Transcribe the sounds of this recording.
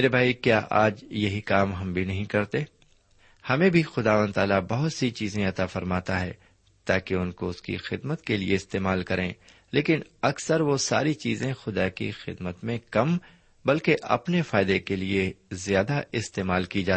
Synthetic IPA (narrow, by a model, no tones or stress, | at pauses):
eːɾebʱaːikjaːʔaːd͡ʒjɐɦikaːmɦɐmbʱinɐɦĩkɐɾt̪e | hɐmẽbʱixʊd̪aːʋə̃nt̪aːlabɐɦʊt̪sit͡ʃiːzẽɐt̪afɐɾmaːt̪aɦɛ̰ː | t̪a̰ːkeʊnkoʊskḭxɪd̪mət̪kelḭeɪst̪eːmaːlkɐɾẽː | leːkɪnɐksəɾʋosa̰ːɾit͡ʃiːzẽxʊd̪akḭxɪ̰d̪mət̪mẽkɐm | bɐlkeʔɐ̰pnefaːɪd̪ekeliezjaːd̪aɪst̪eːmaːlkid͡ʒaːt̪ː